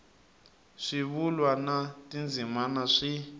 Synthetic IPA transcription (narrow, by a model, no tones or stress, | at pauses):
ʂiβulwanatʼind͡zʱimanaʂi